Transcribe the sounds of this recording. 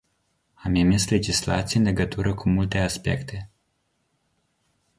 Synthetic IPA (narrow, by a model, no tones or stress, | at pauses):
amemisle̞d͡ʒisla̰t̪sijeɨnle̞ɡət̪uɾəkumult̪e̞aspe̞̰kt̪e̞